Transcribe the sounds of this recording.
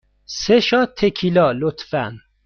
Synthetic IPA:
seʃɒt̪ʰekʰilɒlot̪fæ̰n

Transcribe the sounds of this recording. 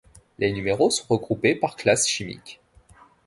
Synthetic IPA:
lenymeʁosɔ̃ʁəɡʁupepaʁklasʃimḭkʲ

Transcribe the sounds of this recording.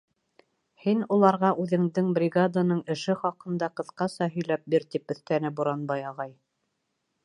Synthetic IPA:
hinulˠɑɾʁɑʔʉðɘ̆ŋd̪ɘŋbrʲɪɡad̪anɤɴɘ̆ʃɘχɑqɤ̆nd̪ɑqɤ̆θqɑsɑɦɵ̆jlæp̚biɾt̪ipɵ̆θt̪ænɘbuɾɑnbɑjɑʁɑj

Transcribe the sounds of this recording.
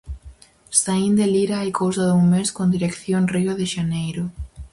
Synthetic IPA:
st̪aind̪eliɾaajkowsɐðuŋmeskond̪iɾekθjoŋrioðɪʃanejɾʊ

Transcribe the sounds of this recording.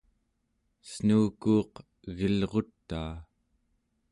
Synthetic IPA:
snuːkuːq | ɣilʁo̞t̪ːaː

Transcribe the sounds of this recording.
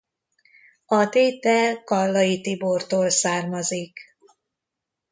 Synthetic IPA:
ɒt̪eːt̪ɛlkɒlːɒjit̪ibort̪oːlsaːrmɒzik

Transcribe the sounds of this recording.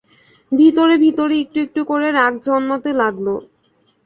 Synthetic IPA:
bʱit̪oɾebʱit̪oɾeek̚ʈuek̚ʈukoɾeɾakd͡ʑɔnmɔt̪elaɡlo

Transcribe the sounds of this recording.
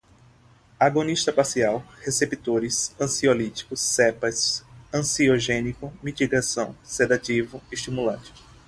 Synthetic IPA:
aɡõniʃt̪ɐpasiawhesepit̪oɾɪsɐ̃siolit͡ʃi̥kʊsːɛpɐsɐ̃sioʒẽnikʊmit̪iɡasɐ̃w̃sed̪ativʊeʃt̪imulɐ̃t͡ʃɪ̥

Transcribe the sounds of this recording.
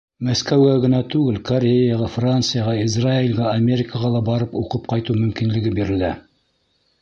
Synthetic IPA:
mæskæwɡæɡɤ̆nɑt̪ʉɡɘlkoɾʲejaʁɑfrant̪sɨjaʁɑizrailɡɑɐmʲe̞ɾʲɪkəʁɑlˠɑbɑɾɤpuqɤp̚qɑjt̪umɵ̆mkinlɘ̆ɡɘbiɾɘ̆ld̪æ

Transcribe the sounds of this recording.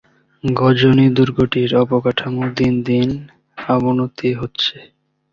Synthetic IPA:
ɡɔd͡ʑonid̪uɾɡʱoʈiɾɔpokaʈʰamod̪ind̪in | abonot̪iɦotːɕʰe

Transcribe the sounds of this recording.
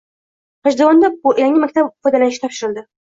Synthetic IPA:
χaʒd̪aɒnd̪ajaŋʲɪmakʲt̪ʰabfɔjd̪alanɪʃɪ̥t̪ʰɒpʃɪɾɪld̪ɪ

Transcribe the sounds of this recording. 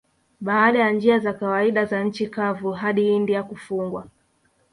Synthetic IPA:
ɓaːɗajand͡ʒiazakawaiɗazan̩t͡ʃikavuɦaɗiindiakufuŋɡwa

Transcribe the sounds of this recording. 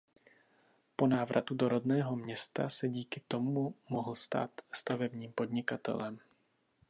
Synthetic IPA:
po̞naːvɾʔa̰t̪udoɾodnɛːɦo̞mɲɛst̪asɛɟiːkɪt̪omumoɦl̩st̪a̰ːt̪st̪avɛbɲiːmpo̞d̪ɲɪkat̪ɛ̰lɛm

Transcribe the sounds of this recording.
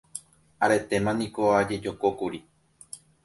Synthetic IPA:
aɾe̞t̪e̞mãnĩkoad͡ʒe̞d͡ʒo̞kokuɾi

